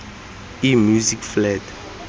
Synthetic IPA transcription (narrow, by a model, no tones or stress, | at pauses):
imjuzikflɛd